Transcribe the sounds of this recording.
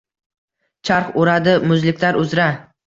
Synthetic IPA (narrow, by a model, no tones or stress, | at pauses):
t͡ʃʰaɾχoɾad̪ɪmʊzlɪkʲlaɾʊzɾa